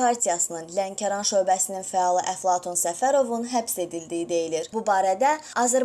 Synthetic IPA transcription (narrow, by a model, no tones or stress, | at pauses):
ɑɾt̪ʰijɑsɯnɯnlæŋcʰɑɾɑnʃø̞ːbæsininfæɑlˠiʔæflˠɑt̪ʰunsæfæɾo̞vunɦæpse̞d̪ild̪ijid̪e̞jiliɾbubɑːɾæd̪æɑzæɾ